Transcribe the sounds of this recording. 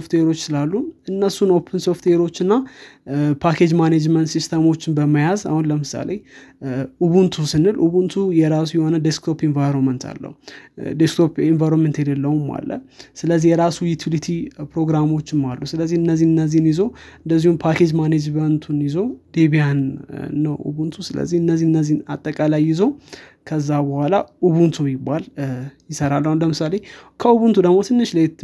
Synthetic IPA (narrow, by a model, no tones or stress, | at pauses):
oft̪eɾo̞t͡ʃːsɨlalːuʔɨnːəsuno̞pʰənso̞ft̪ʰeɾo̞t͡ʃːɨnːa | pʰakʰe̞d͡ʒmaned͡ʒmənt̪sist̪ʰəmo̞t͡ʃːɪnbəməjaza̰hunləmɨsa̰lej | ʔuβunt̪ʰusɨnɨlʔuβunt̪ʰujɛɾasujɛho̞nəd̪eskt̪ʰo̞pinvajɾonmənt̪ʰa̰lːə̰hud̪eskt̪ʰo̞pinvajɾonmənt̪jɛd̪əlːəuma̰lːə̰sɨləzːihjɛɾasujut̪ʰilit̪ʰipɾo̞ɡɾamo̞t͡ʃːɪmːalːusɨləzːihɨnːəzːihɨnːəzːihnjɪzo̞ɨnd̪əzːihumpʰakʰe̞d͡ʒmaned͡ʒmənt̪ʰunjɪzo̞d̪̥eβijanːəwʔṵβunt̪ʰusɨlə̰zːihɨnːəzːihɨnːəzːina̰t̪ʼːəkʼalajːɪzowkʰəzːabəhʷalaʔuβunt̪ʰujɪbːaljɪsəɾalːələmɨsale̞kʰəuβunt̪ʰud̪əɡmo̞t̪ʰɨnːɨʃla